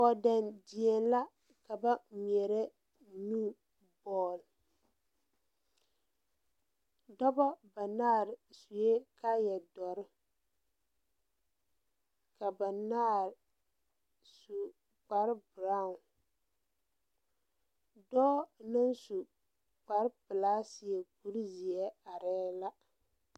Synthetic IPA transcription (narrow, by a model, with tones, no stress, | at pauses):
ɔ˨da˨ndi˨ɛ˨n˦la˦ | ka˨ba˦˨mi˨ɛ˨ɾɛ˦ | nuː˦ | bɔː˨l | dɔ˦bɔ˦ba˨naː˦˨ɾɪ˨su˨je˦ka˦jɛ˨dɔ˨ɾɪ˦ | ka˨ba˨naː˦˨ɾ | su˨ | k͡pa˨ɾbɾa˦˨u˨n | dɔː˦nɨ˦nsu˨ | k͡pa˨ɾpɨ˨laː˦si˨ɛ˨ku˦ɾi˦zi˨ɛ˦a˨ɾɛː˦la˦